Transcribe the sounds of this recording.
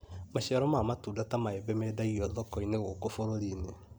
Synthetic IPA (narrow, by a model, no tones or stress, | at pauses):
maʃɛɾɔmamatuːdatamaebɛmedaiɔðɔkɔineɣokofoɾoɾine